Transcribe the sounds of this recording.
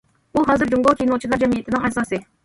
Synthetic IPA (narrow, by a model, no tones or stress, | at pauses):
uɦɑːzɨɾd͡ʒuŋɡɑlˠkʲʰinolˠt͡ʃʰilˠɑɾd͡ʒɛmijɪt̪ʰɪnɪŋɛsɑsɨ